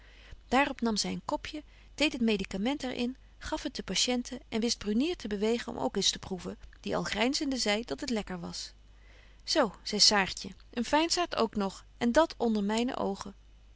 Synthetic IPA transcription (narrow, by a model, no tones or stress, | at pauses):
d̥aːrɔpnɑmzɛjənkɔpʰjə | d̥ejtɦətmejdikamɛntɛɹʔɪ̰n | χɑfɦət̚dəpaʃɛntʰəʔɛnʋɪsd̚b̥ryniːɹtəbəʋejχənɔ̰mʔo̰wkɪstə̥pruvəd̥iʔɑ̰lˠχrɛjnzəndəzɛjdɑtətlɛkəɹʋɑ̰s | z̥owz̥ɛjsaːɹtəʔənfɛjnsaːɹto̰wknɔχʔɛndɑtʰɔndəɹmɛjnə̰ʔo̰wχə